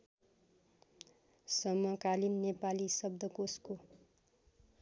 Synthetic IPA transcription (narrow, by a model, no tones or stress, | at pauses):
sʌmʌkalinːepalisʌb̚d̪ʱʌkosko